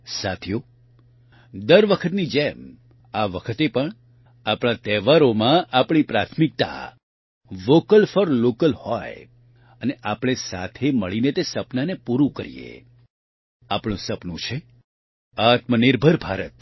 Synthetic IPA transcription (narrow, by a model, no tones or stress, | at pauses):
sat̪ʰjo | d̪əɾʋəkʰət̪nid͡ʒem | aʋəkʰət̪epəɳ | apɽ̃ãt̪ɛʋaɾomãʔapɽ̃ipɾat̪ʰmik̚t̪a̰ | ʋokəlfəɾlokəlhɔj | əneʔapɽ̃esa̰t̪ʰeməɭinet̪esəpnanepuɾũkə̰ɾḭjḛ | apɳ̃ũsəpnũt͡ʃʰe | at̪məniɾbʱəɾbʱaɾət̪